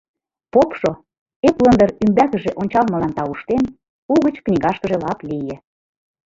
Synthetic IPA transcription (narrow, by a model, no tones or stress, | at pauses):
popʃo | eplə̆nd̪əɾymbækə̆ʒeʔonʲt͡ɕɑlmɤlɑnt̪ɑuʃt̪en | uɣə̆t͡ɕknʲiɣɑʃkə̆ʒelɑplijĕ